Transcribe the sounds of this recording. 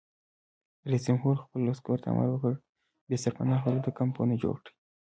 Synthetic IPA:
ɾesimɦuɾxpəlːaskoɾt̪ʰa̰a̰mʔa̰lwəkəɽ | besaɾpanɑxalod̪əkampo̰ned͡ʒo̰ɽkɽi̥

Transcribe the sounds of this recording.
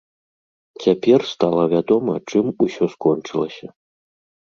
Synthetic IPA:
t͡sʲapʲɛrst̪alˠɐvʲad̪ɔmɐ̰t͡ʂɨmusʲɔskɔnt͡ʂɨlˠɐsʲɐ

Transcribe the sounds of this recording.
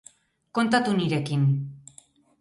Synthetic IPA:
ko̞nt̪at̪uniɾe̞kin

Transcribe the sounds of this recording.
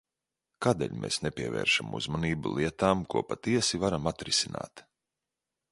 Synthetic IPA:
kaːd̪ḛːʎʲmeːsnepʲiɛvɛ̰ːɾʃamṵzmaniːbulˠʔiɛt̪aːmkuɔpat̪iɛsivaɾamat̪ɾisina̰ːt̪

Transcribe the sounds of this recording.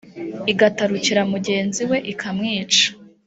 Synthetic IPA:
iɡataɾuciɾamuɟe̞ːnziwe̞ʔikʰamŋiːt͡ʃḁ

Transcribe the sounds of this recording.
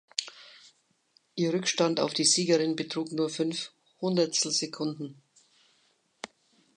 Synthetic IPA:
ʔiːɐʁʏkʃtanta̰ʊfd̥iːziːɡəʁɪnbətʁ̥uːknuːɐfʏnf | hʊndɐtstl̩zekʰʊndn̩

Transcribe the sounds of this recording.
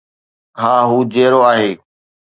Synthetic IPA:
ɦaːɦuːd͡ʑeːɾoːaːɦeː

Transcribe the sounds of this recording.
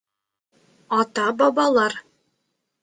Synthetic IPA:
ɑt̪ɑbɑbɑlˠɑɾ

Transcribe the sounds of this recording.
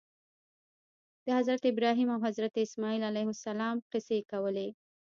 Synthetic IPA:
d̪̥əhazɾat̪ɪbɾɑɦimawɦazɾat̪eɪsmɑilalajhʊsalɑmqɪsekawəle

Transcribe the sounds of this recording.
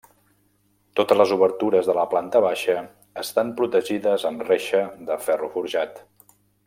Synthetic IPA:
t̪ot̪əzləzuβəɾt̪uɾəzðələplant̪əβaʃə | əst̪ampɾut̪əʒiðəzəmreʃəðəfɛrufuɾʒat̪

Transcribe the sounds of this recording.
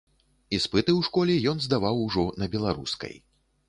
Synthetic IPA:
ispɨt̪ɨwʂkɔlʲɛjɔnzd̪avawʐɔnɐbʲɛlˠaɾṵskɐ̰j

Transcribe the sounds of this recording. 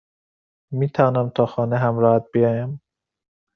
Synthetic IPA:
miːt̪ʰævɒːnæmt̪ʰɒːxɒːneɦæmɾɒːhæt̪̚bijɒːjæm

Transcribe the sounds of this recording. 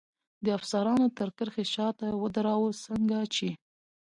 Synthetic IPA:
d̪əafsaɾɑnot̪əɾkəɾxeʃɑt̪awəd̪aɾɑwəsəŋɡat͡ʃe

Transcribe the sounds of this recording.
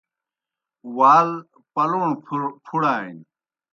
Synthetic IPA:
waːl | pɐlõːpʰuɽaːḭn

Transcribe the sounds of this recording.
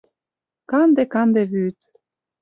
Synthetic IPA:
kɑnd̪ekɑnd̪eβyt̪

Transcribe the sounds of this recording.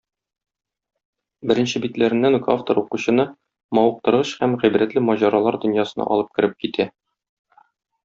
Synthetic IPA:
bɘ̆ɾɘ̆nɕɘbit̪læɾɘ̆nːænɡa̰ft̪oɾuquɕɤ̆nɤ | mɒwɤ̆q̚t̪ɤ̆ɾʁɤɕhæmʁibɾæt̪lɘmɒʑɑɾɑlˠɑɾd̪ɵ̆njɑsɤ̆nɑ̰ʔɒ̰lˠɤp̚kɘ̆ɾɘp̚kit̪ʰæ

